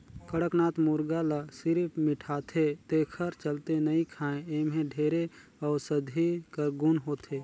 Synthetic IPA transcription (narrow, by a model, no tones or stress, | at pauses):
kəɽəknaːt̪mʊɾɡaləsɪɾpʰmɪʈʰaːt̪ʰet̪eːkʰəɾt͡ʃəlt̪enəĩkʰaːẽemɦẽɖʱeːɾe | ɔːɾsəd̪ʱikəɾɡʊnɦoːt̪ʰe